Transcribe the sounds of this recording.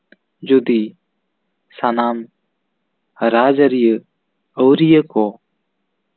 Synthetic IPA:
d͡ʒod̪i | sanaːm | ɾaːd͡ʒəɾijə | oːɾijəkoː

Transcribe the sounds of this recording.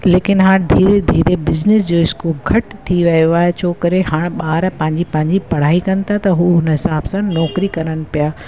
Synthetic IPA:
leːkɪnɦaːɽ̃d̪ʱiːɾed̪ʱiːɾebɪznɪs̬d͡ʑoːɪskuːlɡʱɐʈt̪ʰːiʋɐjoaːɦet͡ɕʰoːkɐɾeɦaːɽ̃ɓaːɾpɐ̃ɦɪ̃ɲd͡ʑipɐ̃ɦɪ̃ɲd͡ʑipɐɽ̤aːikɐnɪ̆t̪ʰat̪ɐɦuːɦʊnəɦɪsaːbsãnɔːkɾikɐɾənɪ̆pijaː

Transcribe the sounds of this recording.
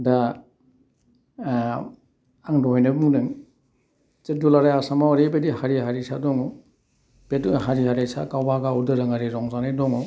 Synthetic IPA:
da | aŋdɔɦjnɯbuŋdɯŋ | t͡ʃedulaɾajasamaaɾebedihaɾiɦaɾisadɔŋɔw | betuɦaɾiɦaɾajsa̰kawbaɡaudɯɾɯŋaɾiɾɔŋzanajdɔŋɔw

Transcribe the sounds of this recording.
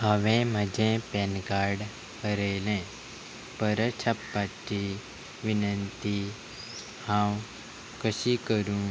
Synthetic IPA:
ɦəʋẽməd͡ʒẽpenɡaːɾɖ | kəɾeːlẽː | pəɾət͡ʃʰɐpːaʈːi | ʋɪnənt̪i | hãːw | kəsikəɾũː

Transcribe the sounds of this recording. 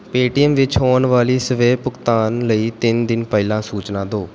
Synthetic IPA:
peːʈɪjəmʋɪt͡ʃɦoːnʋaːliːsəʋeːpʊkt̪aːnləiːt̪ɪnd̪ɪnpəɪlãːsuːt͡ʃnãːd̪oː

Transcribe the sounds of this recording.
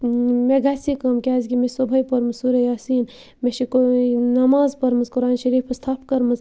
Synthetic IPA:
meɡaːsikɐmkʲaːzɡʲimesobʱɐjpɐɾmɐsuɾejaːsiːn | meʃikonɐmaːzpɐɾmɐzkʊɾaːnʃɐɾiːpɐst̪ʰaːpʰkɐɾmɐz

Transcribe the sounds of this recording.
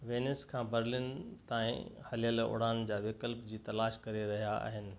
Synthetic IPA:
ʋeːnɪskʰãːbɐɾlɪnt̪aːḭ̃hɐlijəlo̰ːɽ̤aːnd͡ʑaːʋɪkəlpd͡ʑiːt̪ɐlaːʃkɐɾeɾɐɦijaa̰ːɦɪnɪ̆

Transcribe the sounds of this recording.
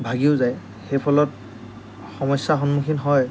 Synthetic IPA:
bʱaɡiʊzaj | xejpʰɔlɔt | xɔmɔjsːaxɔnmukʰinɦɔj

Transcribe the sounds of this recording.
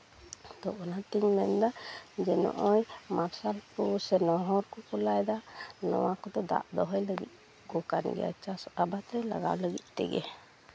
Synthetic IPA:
t̪ɔɔnat̪iɲmɛnd̪ad͡ʒɛnɔ̰ʔɔjmaɾsalpusɛnɔɦɔɾkɔkulajd̪anɔ̰wakɔd̪ɔd̪a̰ʔd̪ɔɦɔjləɡḭt̪̚ | ɡɔkanɡɛ̰ja̰t͡ʃasabat̪ɾɛla̰ɡa̰wləɡit̪̚ˀt̪ɛ̰ɡɛ̰

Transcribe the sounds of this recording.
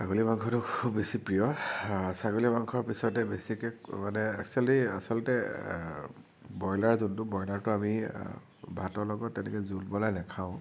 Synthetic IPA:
saɡolibaŋkʰɔtʊkʰubːesipɹijɔsaɡolibaŋkʰɔɹpisɔtɛbesikɛkmanɛɛ̰ksualia̰sɔlɔtɛ | bɔjlaɹzuntʊbɔjlaɹtʊami | bʱatɔɹlɔɡɔtːɛnɛkɛzulbɔlajnɛkʰaʊ̃

